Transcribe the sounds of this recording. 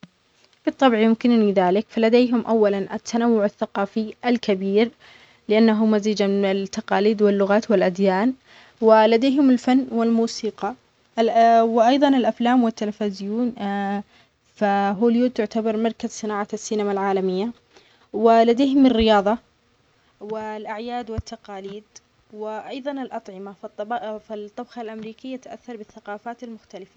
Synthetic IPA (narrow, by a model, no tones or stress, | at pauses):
bɨt̪ˤːɑbʕjʊmkɪnniðaːlɪkfalad̪eːɦʊmʔawːalanʔat̪ːanawːʊʕaθːaqɑːfiʔalkabiːɾ | lɪʔanːaɦʊmaziːd͡ʒamɪɪnɪlt̪ːɑqɑːliːd̪wɪlːʊɣaːt̪wɪlʔad̪jaːn | wɪlad̪eːɦʊmɪlfanːwɪlmuːsiːqɑ | wɪʔɑjðˤɑnɪlʔaflaːmwɪt̪ːalafazɪjuːn | faɦoːljuːt̪ːʊʕt̪abɑɾˤmɑɾˤkazsɨnaːʕasːiːnamalʕaːlamɪjːa | wɪlad̪eːɦʊmɪrːɪjɑːðˤɑ | wɪlʔaʕjaːd̪wɪt̪ːaqɑːliːd̪ | wɪʔɑjðˤɑnɪlʔɑt̪ˤʕɪmafɪt̪ˤːɑbxɑlʔamɾiːkɪjːat̪aʔa̰θːɑɾˤbɪθːaqɑːfaːt̪almʊxt̪alɪfa